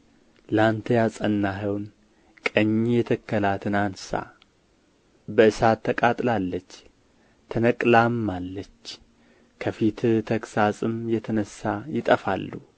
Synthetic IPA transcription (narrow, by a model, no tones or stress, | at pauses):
lant̪ʰəjasʼənːaɦəwn | kʼəɲːjɛt̪ʰəkːəlat̪ʰɨnansa̰ | bəʔɨsat̪ʰːəkʼat̪ʼlalːət͡ʃː | t̪ʰənəkʼlamːalːət͡ʃː | kʰəfit̪t̪ʰəkʼsasʼɨmjɛt̪ʰənəsːajɪt̪ʼəfa̰lːu